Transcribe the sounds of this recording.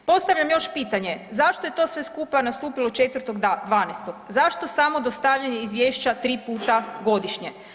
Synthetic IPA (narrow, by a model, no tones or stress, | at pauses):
po̞st̪aʋʎʲamjo̞ʃpiːt̪aɲe̞zaʃt̪o̞je̞t̪o̞ːsʋe̞skupanast̪uːpilot͡ʃe̞t̪ʋəɾ̩t̪o̞ɡd̪ʋaːnest̪o̞ɡzaʃt̪osamo̞d̪ost̪aʋʎaɲeizʋjeːʃt͡ɕat̪ɾiːpuːt̪aɡo̞d̪iʃɲe